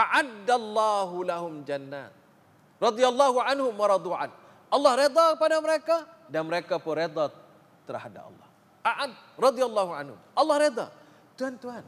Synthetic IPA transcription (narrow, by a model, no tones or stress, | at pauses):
ʔaʕadalˤːɑːɦulaɦʊmd͡ʒanːa̰ːt̪̚ | rɑd̪ijalːɑɦuʕanhʊmwɑɾˤɑd̪ˤuʕa̰n | ʔɑlːɑhɾed̪ˤakəpadaməɾeka | danməɾekapunɾed̪ˤa | t̪əɾaɦada̰pɑ̰lːɑ̰h | ʔaʕad̚rˤɑd̪ijalːɑɦuʕa̰nhʊ̰mʔɑlːɑhɾed̪ɑ̰ | t̪uhant̪uɦan